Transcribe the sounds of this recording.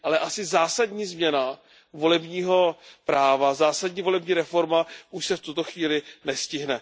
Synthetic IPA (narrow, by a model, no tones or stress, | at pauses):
ʔalɛʔasɪzaːsadɲiːzmɲɛna | vo̞lɛbɲiːɦo̞pɾaːvazaːsadɲiːvo̞lɛbɲiːɾɛfo̞ɾmaʔuʃsɛft̪ut̪o̞xviːlɪnɛscɪɦnɛ